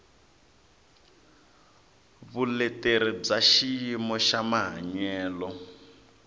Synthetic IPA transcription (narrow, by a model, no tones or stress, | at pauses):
βulɛteɾib͡ʐaʃijimɔʃamaɦaɲɛːlɔ